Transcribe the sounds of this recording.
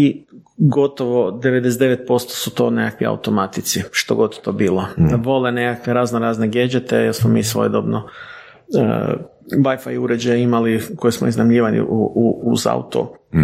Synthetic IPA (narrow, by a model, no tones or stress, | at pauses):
iɡo̞t̪oʋo̞d̪eʋed̪es̬ed̪eʋet̪̚po̞st̪o̥sut̪o̞ːnekakʋia̰ut̪omat̪it̪siʃt̪o̞̰ɡo̞t̪t̪obiːloʋo̞lenekakʋeɾaːznoɾaːzneɡjed͡ʒet̪ejelsmomiːsʋo̞̰jed̪o̞bno̰ | ʋajfa̰juɾed͡ʒajeimalikojismo̰iznamʎiːʋalḭʔuuuza̰ṵt̪o̰